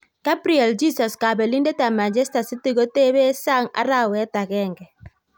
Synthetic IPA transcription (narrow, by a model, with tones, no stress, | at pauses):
ka˦pɾi˨ɛ˨ld͡ʒi˦sɔ˨ska˨bɛ˨li˦nde˦ta˨ma˨d͡ʒɛ˦sta˨si˦ti˦ɣo˦te˦βe˦sa˦ŋa̰˦ɾa˦wɛ˦ta˨ɣɛ˦ŋɡɛ˨